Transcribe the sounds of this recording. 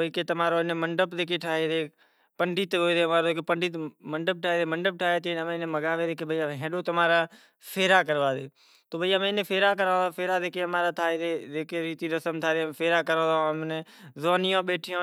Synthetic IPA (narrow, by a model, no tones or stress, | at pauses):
ikeːt̪əmaːɾoːɪnẽːməɳɖəpd̪eːkeːʈʰaːɦeːd̪eː | pəɳɖʱiːt̪ːɦoːd̪eːmaːɾoːkepəɳɖiːməɳɖəp̚ʈʰaːɦeːd̪eːməɳɖəp̚ʈʰaːɦeːt̪ːəmẽːɪnẽːməɡaːʋeːd̪eːkeːbəiːaɦẽːɗoːt̪əmaːɾaː | fʰeːɾaːkəɾʋaːd̪eː | t̪oːbəiːmẽːɪnẽːpʰeːɾaːk̬əɾə̃ːãːfʰeːɾaːd̪eːkeːəmaːɾaːt̪ʰaːeːd̪eːd͡ʒeːkeɾiːt̪iːɾəsəmt̪ʰaːd̪eːfʰeːɾaːkəɾə̃ːd̪aõmnezoːnɪjõːɓeːʈʰɪjõː